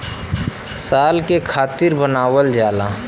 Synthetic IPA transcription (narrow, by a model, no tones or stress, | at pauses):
saːlkekʰaːt̪ɪɾbənaːwəld͡ʒaːla